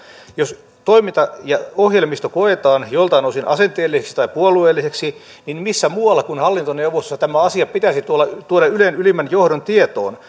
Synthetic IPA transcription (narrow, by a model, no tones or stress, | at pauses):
jos | t̪oimint̪ɑjɑohjelmist̪okoet̪ɑːnjolt̪ɑnousinʔɑsent̪eːlːiseksi̥t̪ɑipuolˑueːlːiseksi | ninmisːæmuːɑlːɑkunhɑlːint̪oneuʋost̪osːɑt̪æmæɑsiɑpit̪æsit̪uolːɑt̪uoɾɑylenylimːænjohɾont̪iet̪o̰ːn